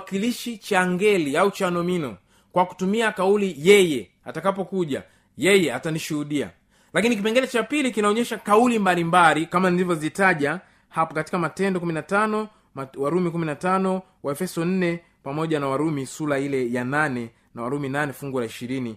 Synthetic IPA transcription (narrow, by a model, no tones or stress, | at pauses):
kiliʃit͡ʃaŋɡɛliaut͡ʃanɔminɔ | kwaku̥tumiakaulijɛjɛ | atakapɔkuʄa̰ | jɛjɛataniʃuhuɗia̰ | lakinik̬ipɛŋɡɛlɛt͡ʃapilikinaɔɲɛʃakaulimbalimbalikamanilivjɔzitaʄa | hapɔkati̥kamatɛndɔkuminatanɔ | mwaɾumikuminatanɔ | waɛfɛsɔn̩nɛ | pamɔʄanawaɾumisulailɛjananɛ | nawaɾuminanɛfuŋɡulaiʃiɾini